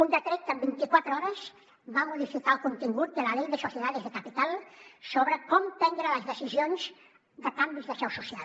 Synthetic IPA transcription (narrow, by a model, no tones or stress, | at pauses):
und̪ət̪ɾɛt̪əmbint̪ikwat̪ɾɔɾəz̥ | βamuðifikaəlˠkunt̪iŋɡut̪̚d̪ələlejðəsusjəðaðəzðəkəpit̪alˠsoβɾəkɔmt̪ɛnd̪ɾələzðəsizionz | d̪əkambizðəsɛwsusial